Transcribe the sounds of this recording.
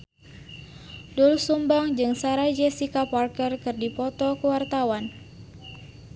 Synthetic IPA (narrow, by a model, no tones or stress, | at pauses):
dulsumbaŋd͡ʒɨŋsaɾad͡ʒɛsikaparkərkɨrdipɔt̪ɔkəwart̪awan